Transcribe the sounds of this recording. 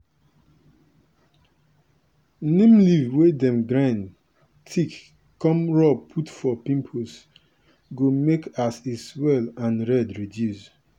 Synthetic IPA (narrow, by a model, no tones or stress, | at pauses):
nĩmlivwedɛ̃mɡɾãn | tʰik | kːɔ̃mɹɔpʰutfɔpĩmpʰos | ɡomekʰasiswɛlãnɹɛdɹidjus